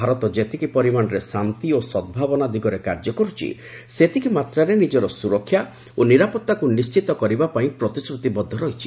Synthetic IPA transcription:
bʱaɾɔt̪ɔd͡ʒet̪ʰikipɔɾimanɔɾesant̪iosɔd̪̚bʱabɔnad̪iɡɔɾekaɾd͡ʒɔkɔɾut͡ʃʰḭ | set̪ʰikimat̪ɾaɾenid͡ʒɔɾɔsuɾɔkʰːja | oniɾapɔt̪ːakunist͡ʃit̪ɔkɔɾibapaĩpɾɔt̪isɾut̪ibɔd̪ʱːɔɾɔɦit͡ʃʰi̥

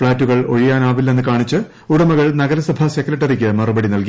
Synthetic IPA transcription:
fɭaːtːuɣɐɭo̞̰ɻijaːnaːʋilːɐe̞nːɨkaːɳit͡ɕːɨ | uɽɐmɐɣɐɭnɐɣɐɾɐsɐbʱɐse̞kːɾɐʈːɐrikʲːɨmɐrubɐɽinɐlki

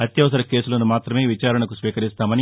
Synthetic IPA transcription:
ɐt̪jɐʋɐsɐɾɐke̞ːsulɐnumaːt̪ɾɐme̞ːʋit͡ʃaːɾɐɳɐkusʋiːkɐɾist̪aːmɐni

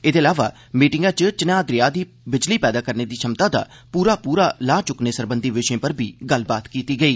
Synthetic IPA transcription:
ɪd̪eːlaːʋaː | miːʈɪŋɡãːt͡ʃət͡ʃɪnaːd̪ɾɪjaːd̪iː | bɪd͡ʒliːpɛːd̪aːkəɾneːd̪iːʃʰəmt̪ãːd̪a̰ː | puːɾaːpuːɾaːlaːt͡ʃʊkneːsəɾbənd̪ʱiːʋɪʃẽːpəɾbʱiːɡəlbaːt̪kiːt̪iːɡəiː

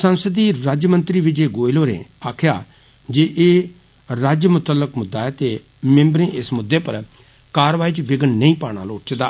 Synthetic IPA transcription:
sə̃nsəd̪iːɾaːd͡ʒjəmə̃nt̪ɾiːʋɪd͡ʒeːɡoːiloːɾḛːaːkʰjaː | d͡ʒeːʔeː | ɾaːd͡ʒjəmʊt̪əlːəkmʊd̪ːaːɛːt̪eː | mɛ̃mbɾẽːʔɪsmʊd̪ːeːpəɾ | kaːɾʋaːiːt͡ʃbɪɡənnəĩːpaːɽ̃a̰ːloːʈt͡ʃd̪aː

